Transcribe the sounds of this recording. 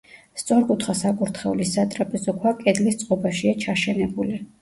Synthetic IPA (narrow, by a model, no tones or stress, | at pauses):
st̪sʼɔɾkʼut̪ʰχasakʼuɾt̪ʰχɛulisat̪ʼɾapʼɛzɔkʰwakʼɛd̪list̪sʼqʼɔbaʃiat͡ʃʰaʃɛnɛbuli